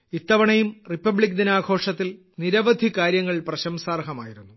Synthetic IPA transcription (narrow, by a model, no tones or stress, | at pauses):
it̪ːɐʋɐɳɐjumripːɐbɭik̬ːd̪inaːɡʰʱo̞ːʂɐt̪ːil | niɾɐʋɐd̪ʱikaːɾjɐŋːɐɭprɐɕɐmsaːrhɐma̰ːjiɾunːu